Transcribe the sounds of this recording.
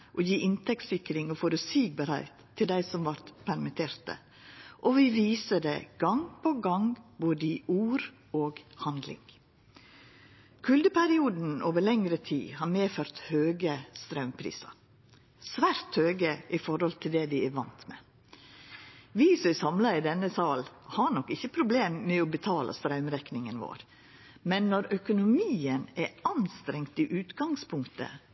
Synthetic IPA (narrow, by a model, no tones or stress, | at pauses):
ʔɔːjiːʔɪnt̪ʰɛk̚t̪sɪkɾɪŋɔfoːɾəsiːɡ̚bəɾæ̰ɪt̪ʰːɪld̪æɪsɔmʋɑɾt̪pʰæɾmɪt̪ʰeːɾt̪ə̰ | ʔɔʋɪʋiːsəd̪ɛ̰ɡ̥ɑŋpʰɔɡɑŋboːd̪əiːʔuːɾ | oːɡhɑnd̪lɪ̰ŋ | kʰʉld̪əpʰæɾɪuːd̪n̩oːʋəɾlɛŋɾət̪ʰḭːhɑːɾmeːføːɾt̪høːɡəst̪ɾɑʉmpʰɾḭːsɑ̰ | sʋæːɾt̪høːɡəʔɪfɔɾhɔlt̪ʰɪld̪ɛd̪ɪæʋɑnt̪mɛ | ʋisɔɛsɑmlɑɪd̪ɛnːəsɑːlhɑnɔkːɪçːəpʰɾʊbleːmːɛɔbət̪ʰɑːlʔɑ̰st̪ɾɑʉmɾɛknɪŋənʋo̰ːɾ | mɛnːɔɾœkʊnʊmiːənæɑnst̪ɾɛŋt̪ɪʔʉːt̪ɡɑŋspʰʊŋkt̪ə̰